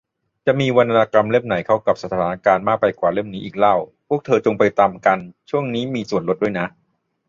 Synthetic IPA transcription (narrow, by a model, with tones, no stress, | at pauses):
t͡ɕa˨˩ʔmiː˧wa˧nt̪ːa˧naː˧ka˧mle˥˩mna˩˦jkʰa˥˩wka˨˩p̚sa˧t̪ʰaːaː˩˦na˧kaː˧nmaː˥˩k̚pa˧jkwaː˨˩le˥˩mniː˦˥ʔiː˨˩k̚la˥˩wpʰu˥˩ək̚t̪ʰɤː˧t͡ɕo˧ŋpa˧jt̪aː˧mka˧nt͡ɕʰu˥˩əŋniː˦˥miː˧su˨˩ənlo˦˥t̪̚du˥˩jna˦˥ʔ